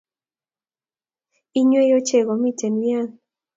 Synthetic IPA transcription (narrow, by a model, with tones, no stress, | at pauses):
i˦ɲwe˦jo˦t͡ʃe˦˨ɡo˨mi˦te˨nwja˦ŋ